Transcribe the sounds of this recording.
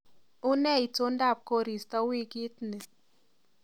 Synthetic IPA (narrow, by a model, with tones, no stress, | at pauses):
ʊ˦nɛ˦˨i˨to˦nda˦˨p̚ko˦ɾi˨sta˦wi˦ki˦tni˨